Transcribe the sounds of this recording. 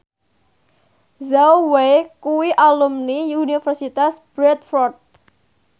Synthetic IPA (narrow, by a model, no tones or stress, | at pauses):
zawwekuwiʔalumniunifərsit̪asb̥ɾɛt̪̚fɔrt̪̚